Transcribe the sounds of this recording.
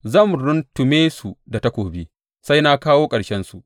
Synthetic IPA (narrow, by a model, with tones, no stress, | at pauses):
zɐ˦˨mɾʊ˦ntʊ˨meː˦su˨da˨ta˦kʷoː˨biː˦ | sa˦jna˦kaː˦woː˦kʼɐ˨ɽʃɛ˦nsu˨ʔ